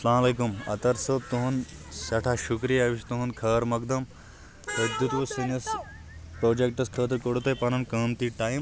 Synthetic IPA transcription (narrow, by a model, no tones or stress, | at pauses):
ɐslaːmɐleːkumɐ̰t̪ɐɾsɐb̚t̪uɦunsɐʈʰaʃukɾijɐʋiʃt̪uɦunkʰɐːɾmɐkd̪ɐm | p̪ɐd̪ʱut̪ʋusɐnɐs | pɾoːd͡ʒek̚ʈɐskʰəːt̪̬ɾkoɽut̪ɐjpɐnɐnkɐːmt̪iʈaːjim